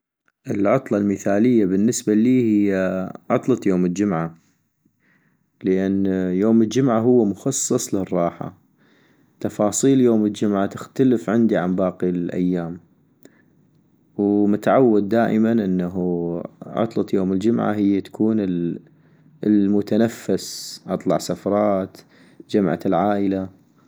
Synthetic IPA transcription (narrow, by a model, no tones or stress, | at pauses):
ʔɪlʕɑt̪ˤlɑlməθaːlɪjːabɪnːɪsbaliːhɪjːaʕɑt̪ˤlɑt̪ˤjoːmɪld͡ʒʊmʕa | ləʔanːjoːməld͡ʒʊmʕaɦʊwːmʊxɑsˤːɨsˤlɪrˤːɑːħa̰ | t̪ɑfɑːsˤiːljoːməld͡ʒʊmʕat̪ɪxt̪aləfʕɪnd̪iʕambɑːqilʔa̰jːaːm | wmʊt̪aʕawːad̪ːaːʔɪmanʔɪnːaɦuʕɑ̰t̪ˤlɑt̪ˤjoːmɪld͡ʒʊmʕa̰ɦɪjːat̪ḁkʰuːnɪ | lmʊt̪anafːasʔɑt̪ˤlɑ̰ʕsafɑɾˤɑːt̪ | d͡ʒamʕa̰lʕaːʔɪla